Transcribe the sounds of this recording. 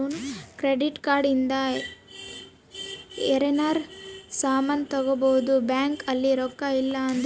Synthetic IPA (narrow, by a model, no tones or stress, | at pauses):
nukɾeɖiʈkaːɾɖind̪ɐ | ɛɾenɐɾsaːmɐnt̪ɐɡɔbɐʋud̪ubjaːŋkɐlːiɾɔkːɐilːɐːnd̪